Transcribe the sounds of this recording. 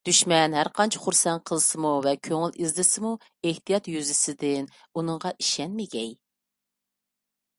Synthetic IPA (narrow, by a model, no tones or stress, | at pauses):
d̪̥yʃmɛnɦæɾqɑnt͡ʃʰɪ̥χuɾsɛnqʰəlˠɨsɨmuvɛkʲʰøŋɪlizlɪsɪmu | eht̪ijɑt̪jyzɪsɪd̪ɪn | unɨŋʁɑʔiʃɛnmɪɡʲɛj